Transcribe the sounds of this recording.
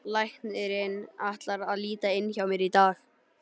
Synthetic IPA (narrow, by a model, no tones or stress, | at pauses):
lajht̪nɪɾɪnaht̪laɾaðliːt̪aɪnçawmɛɾit̪aːx